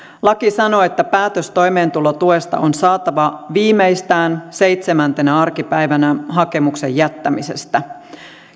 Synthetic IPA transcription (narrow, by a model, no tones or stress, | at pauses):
lɑkisɑno̞et̪ːæpæːt̪øst̪o̞jme̞ːnt̪ulot̪ue̞st̪ɑ̰onsɑːt̪ɑʋɑʋiːmejst̪æːnse̞jt̪semænt̪enæɑrkipæjʋænæɦɑke̞mukse̞̰jæt̪ːæmise̞̰st̪æ